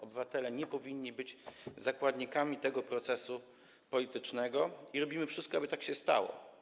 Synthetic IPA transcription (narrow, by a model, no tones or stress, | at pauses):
ɔbɘvat̪ɛlɛɲɛpɔvʲiɲːibɘd͡ʑzakwad̪ɲikamʲit̪ɛɡɔpɾɔt̪sɛsu | pɔlʲit̪ɘt͡ʂnɛɡɔiɾɔbʲimɘfʂɘst̪̚kɔabɘt̪akɕɛst̪a̰wɔ̰